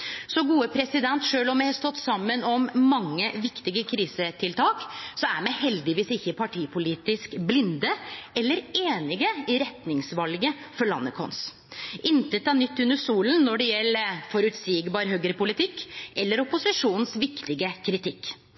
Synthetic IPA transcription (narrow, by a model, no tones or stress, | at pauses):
sɔɡuːəpʰɾɛsɪd̪ɛnt̪ʂøːlɔmɛhɑst̪ɔt̪ːsɑmːənɔmːɑŋːəʋɪkt̪ɪɡəkʰɾiːsət̪ʰɪlt̪ʰɑːksɔæɾmɛhɛld̪ɪʋiːsɪçːəpʰɑʈʰiːpʰʊliːt̪ɪskblɪnd̪əɛlːəɾeːnɪɡəɪɾɛt̪nɪŋsʋɑlɡə | fɔɾɭɑ̰nːəkʰɔ̰ns | ʔɪnt̪ət̪ɑnʏt̪ːʉnːəsuːlənnɔɖɛjɛlːəfɔɾʉt̪siːɡbɑːɾɦœɡəɾpʊlɪt̪ʰɪkːɛlːəɾɔpʊsɪʂuːnn̩sʋɪkt̪ɪɡəkʰɾɪt̪ʰɪkː